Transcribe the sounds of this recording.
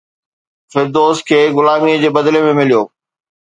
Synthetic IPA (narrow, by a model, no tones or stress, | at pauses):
fɪɾd̪oːs̚kʰeːɣʊlaːmiəd͡ʑeːbɐd̪lemẽmɪlijoː